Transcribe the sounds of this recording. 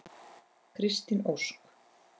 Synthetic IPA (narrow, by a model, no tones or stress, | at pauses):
kʰɾɪst̪inowsk